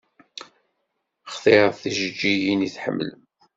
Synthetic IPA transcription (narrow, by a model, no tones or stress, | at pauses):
χθˤeθiʒəd͡ʒːijiniθħə̰mːlə̰m